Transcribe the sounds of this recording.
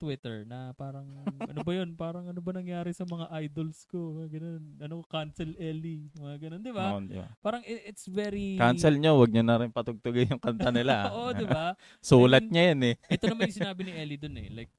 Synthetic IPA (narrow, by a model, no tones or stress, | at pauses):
t̪wɪt̪ɛɹnɐpaːɾɐŋʔɐ̰nobɐjo̞npaːɾɐŋɐnobɐnɐŋjaːɾɪsɐmɐŋaʔajd̪o̞lsko̞mŋaɡɐno̞nʔɐnokokansɛlʔɛlimɐŋaɡɐnond̪ɪbad̪ɪ̰ba̰paːɾɐŋɪʔɪt̪svɛɾikansɛlɲowɐɡ̚ɲonɐɾɪnpɐt̪ʊɡ̚t̪ʊɡanjʊŋkɐnt̪ɐnɪlaoʔod̪ɪba | suːlɐt̪̚ɲɐjɐnɛʔɛt̪onɐmanjʊsɪnaːbɪnɪʔɛlid̪onɛ̰lajk̚